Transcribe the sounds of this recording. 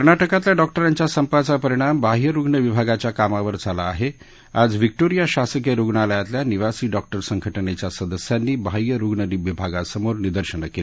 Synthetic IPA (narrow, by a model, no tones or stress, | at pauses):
kəɾnɳaʈəkat̪ljaɖɔkʈəɾaɲt͡ɕjasəmpat͡sapəɾiɽ̃ambʱaɦjəɾuɡɳəʋibʱaɡat͡ɕjakamaʋəɾd͡zʱalaːɦe | ad͡zʋik̚ʈoɾijaɕasəkjəɾuɡɳaləjat̪ljaniʋasiːɖɔk̚ʈəɾsəŋɡʱəʈəɳet͡ɕjasəd̪əsjanːiːbʱajjəɾuɡɳəniʋibʱaɡasəmoɾnid̪əɾɕəɳəkel